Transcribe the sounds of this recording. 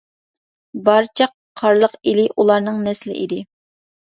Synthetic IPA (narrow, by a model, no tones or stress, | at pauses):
bɑɾt͡ʃʰɑqʰːɑɾlˠəqilɪʔulˠɑɾnɨŋnɛslɪ̰ʔḭd̪ɪ